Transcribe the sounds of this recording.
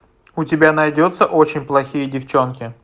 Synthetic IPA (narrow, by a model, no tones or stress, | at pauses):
ʊtʲɪbʲanɐjdʲot̪səʔo̞t͡ɕɪnʲplˠɐxʲijədʲɪft͡ɕo̞nkʲɪ